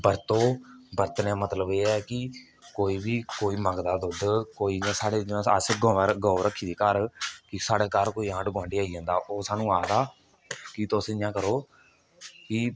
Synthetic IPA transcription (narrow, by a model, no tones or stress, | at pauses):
bəɾt̪õːbəɾt̪nɛ̃ːmət̪ləbeːɛːkɪ | koːiːbiːkoːiːməɡd̪aːd̪ʊd̪koːiːãːsaːɽeːd͡ʒɪnãə̰sɪɡɔ̃ːʋaːɾɡɔːɾəkʰːiːd̪eːkəɾkɪsaːɽeːkaːɾkoːiːãːʈɡãːɳɖiːaːiːãːnd̪aːʔoːsaːnũːaːd̪aː | kɪt̪osɪjãːkəɾoː | kɪ